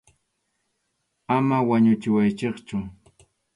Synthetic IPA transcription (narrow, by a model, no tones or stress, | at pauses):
amawaɲʊt͡ʃɪwajt͡ʃeχt͡ʃʊ